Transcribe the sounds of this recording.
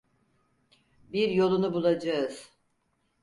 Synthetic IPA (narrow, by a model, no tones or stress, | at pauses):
biɾjo̞lˠunubulˠad͡ʒaɯz̥